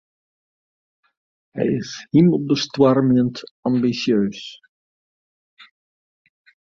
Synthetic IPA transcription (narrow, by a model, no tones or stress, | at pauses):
ɦɛ̰jɪshimɔb̚dəstwaɾmɛntɑmbisjøːs